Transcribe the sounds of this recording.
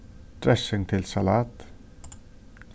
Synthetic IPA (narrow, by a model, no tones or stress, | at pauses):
d̪ɾɛsɪŋt̪ʰɪlsɑlɑːt̪